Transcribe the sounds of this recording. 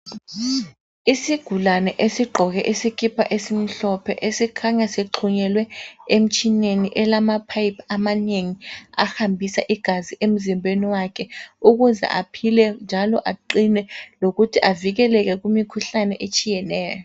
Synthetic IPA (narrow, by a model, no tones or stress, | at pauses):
isiɡ̥ʱulanɛʔesiɡ͡ǃʱɔɣɛʔisikʰipʰaʔesim̩ɬɔpʰɛ̰ʔesikʰaɲaseǃʰuɲɛlwɛem̩t͡ʃʰʼineniʔɛlamapʰajpʰamaneŋiahambʱisaʔiɡ̥ʱaziʔem̩zimbʱeniwakʰɛuɣ̬uzɛ̰ʔapʰilɛnd͡ʒʱalɔʔaǃinɛloɣutʰiʔaviɣ̬ɛlɛk̬ɛkumikʰuɬanɛʔet͡ʃʼijɛnɛːjɔɔ